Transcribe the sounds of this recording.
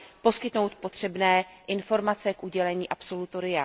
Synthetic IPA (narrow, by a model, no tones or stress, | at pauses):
po̞skɪt̪no̞wt̪po̞t̪r̝̥ɛbnɛːʔɪnfo̞ɾmat͡sɛkʔuɟɛlɛɲiːʔapso̞lut̪o̞ɾɪja